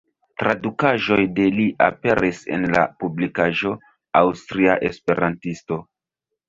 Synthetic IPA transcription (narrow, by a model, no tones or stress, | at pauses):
tɾadukaʒo̞jde̞liʔa̰pe̞ɾise̞̰nla̰publikaʒo̞ | awstɾiaʔespe̞ɾʔantisto̞